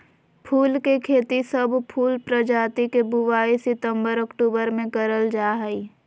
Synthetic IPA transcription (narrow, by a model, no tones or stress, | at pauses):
pʰuːlkekʰeːt̪isəbpʰuːlpɾəd͡ʒaːt̪ikebʊwaːisɪt̪ə̃mbəɾɔkʈuːbəɾmẽkəɾəld͡ʒaːɦɛi